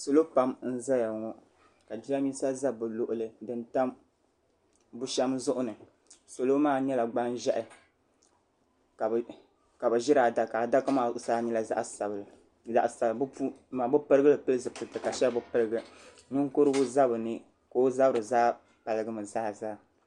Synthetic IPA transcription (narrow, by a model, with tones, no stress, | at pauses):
so˨lo˦pa˦mn̩˦za˦ja˨ŋɔ˨ | ka˨d͡ʒi˦la˦mi˦sa˦za˦bɨ˨lo˨ʔʊ˨lɨ˨dɨ˨nta˦m | bu˦ʃɛ˦mzʊ˦ʔʊ˦nɨ˨ | so˨lo˦maː˦˨ɲɛ˦la˨ɡ͡ba˦nʒɛ˦ʔɪ˨ | ka˨ | ka˨bɨ˨ʒi˦ɾa˨da˨ka˨da˦ka˦ma˨saː˦ni˦la˨za̰˦ʔa˨sa˨bl | za˨ʔsa˨bmaː˨bɨ˦pɨ˦ɾɨ˦ɡɨ˦lɨ˨pɨ˦lɨ˦zɨ˨pɨ˨tɨ˨ka˨ʃɛ˦bɨ˦pɨ˦ɾɨ˦ɡɨ˦ | nɨ˦ŋko˦ɾɨ˦bʊ˦za˦bɨ˨nɨ˦ | ko˨˦o˦za˦bɨ˦ɾɨ˨zaː˦ | pa˨lɨ˨ɡɨ˦mɨ˨zaː˦zaː˦